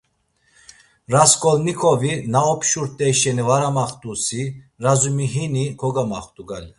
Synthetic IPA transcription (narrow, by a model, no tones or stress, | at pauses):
ɾaskʼɔlnikʰɔvinaɔpʰʃuɾt̪ʼɛʃɛnivaɾamaχt̪ʼusi | ɾazumiɦinikʰɔɡamaχt̪ʼuɡal